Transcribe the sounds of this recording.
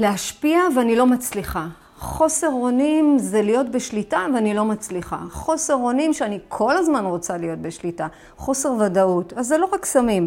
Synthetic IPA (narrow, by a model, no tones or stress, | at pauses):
leaʃpiaveanilo̞mat͡sliχa | χo̞se̞ʁo̞nimzelijo̞tbeʃlitaveanilo̞mat͡sliχa̰χo̞se̞ʁo̞nimʃeanikʰo̞lazmanʁo̞t͡salijo̞t̚beʃlita | χo̞se̞ʁvadautazːelo̞ʁaksamim